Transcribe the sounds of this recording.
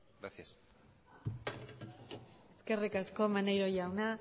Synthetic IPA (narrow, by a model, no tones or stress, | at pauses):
ɡɾasjas | e̞ske̞rikasko̞manejɾo̞jawna